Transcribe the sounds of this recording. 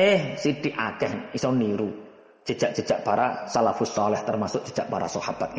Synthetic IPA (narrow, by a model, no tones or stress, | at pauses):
ehsiɖ̥iʔakɛhnisɔniɾu̥ | ʒ̥əd̥ʒ̥aʔ̚ʒ̥ə̤̥ʒ̥aʔpaɾasalafʊsɔlɪht̪ərmasʊʔ̚dʒ̥ə̥d͡ʒ̥aʔpaɾa̰sɔhab̥at̪̚ŋ